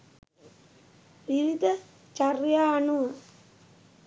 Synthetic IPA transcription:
ʋiʋid̪ʱɐ | t͡ʃɐrjaːɳuʋɐ

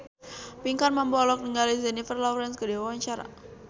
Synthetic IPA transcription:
piŋkanmambɔlɔk̚niŋɡalizɛnifərlawɾɛnskədiwawaɲt͡ʃaɾa̰

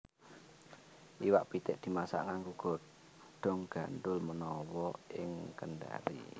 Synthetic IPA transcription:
ʔiwaʔpit̪ɪʔd̪̥i̤masa̰ʔŋaŋɡuɡ̥ɔ̤t̪̚ | ɖ̪̥ɔ̤ŋɡ̥a̤nd̪ʊlmənɔwɔɪŋkənɖa̰ɾḭ

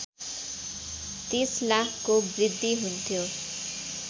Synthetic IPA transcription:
t̪islakʰkobrid̪ʱːiɦunt̪ʰjo

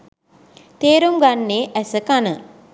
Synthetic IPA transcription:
t̪eːɾumɡanːeːʔæsəkanə

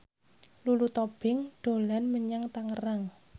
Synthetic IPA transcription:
lulut̪ob̥ɪŋɖ̪̥o̤lanməɲaŋt̪aŋəraŋ

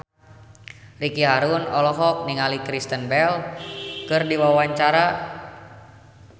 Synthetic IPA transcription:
rikiɦaɾunɔlɔɦɔk̚niŋalikɾist̪ənbɛlkɨrdiwawaɲt͡ʃaɾa

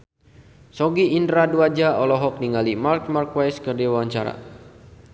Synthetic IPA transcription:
sɔɡiːndɾaduad͡ʒaɔlɔɦɔk̚niŋalimark̚markwajskərdiawawaɲt͡ʃaɾa̰

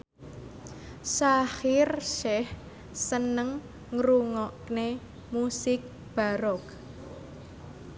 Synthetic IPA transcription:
sahɪrʃɛh | sənəŋ | ŋɾuŋɔʔkne | musɪk̚ | b̥a̤ɾɔk̚

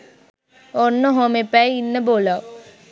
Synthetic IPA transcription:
onːəɦomepɛjinːəboːla

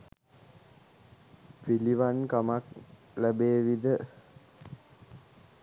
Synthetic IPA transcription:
piliʋankamak | ləbeːʋid̪ə

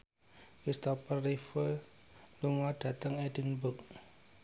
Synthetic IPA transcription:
kist̪ɔpərːifə | luŋɔd̥at̪əŋɛdinbʊk̚

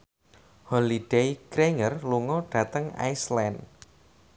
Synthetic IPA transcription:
hɔlid̥ejkɾeŋərluŋɔɖ̥ä̤t̪əŋa̰jslɛn

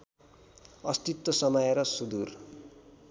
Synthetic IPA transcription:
ʌst̪it̪ːʌsʌmʌjeɾʌsud̪ur

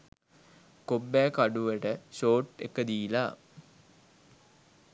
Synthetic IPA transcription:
kobːæːkaɖuʋəʈəsoːʈekːəd̪iːlaː

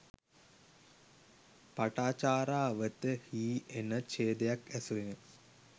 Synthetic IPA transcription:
paʈaːt͡ʃaːɾaːʋət̪əhiːenət͡ʃeːd̪ejakæsuenə

